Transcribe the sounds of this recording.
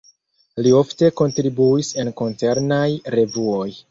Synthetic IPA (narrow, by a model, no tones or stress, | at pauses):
lio̞fte̞ko̞ntɾibuise̞nko̞nt͡se̞ɾnajɾe̞vuo̞j